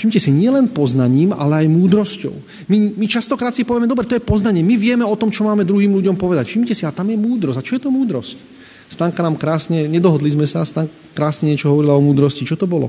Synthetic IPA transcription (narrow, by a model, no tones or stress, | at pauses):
fʃimcɛsiɲɪɛlɛnpɔznaɲiːma̰lɛajmuːd̪ɾɔscɔ̰ʊ | mimit͡ʃast̪ɔkɾaːt̪sipɔʋɪɛmɛd̪ɔbɾɛt̪ɔjɛpɔznaɲɪɛmiʋɪɛmɛɔt̪ɔmt͡ʃɔmaːmɛd̪ɾuɦiːmluɟɔmpɔʋɛd̪acfʃimcɛsiat̪amjɛmuːd̪ɾɔsat͡ʃɔjɛt̪ɔmuːd̪ɾɔsc | st̪aːŋkanaːmkɾaːsɲɛɲɛd̪ɔɦɔd̪lizmɛsast̪aːŋ | kɾaːsɲɛɲɪɛt͡ʃɔɦɔʋɔɾilaɔmuːd̪ɾɔscit͡ʃɔt̪ɔbɔlɔ̰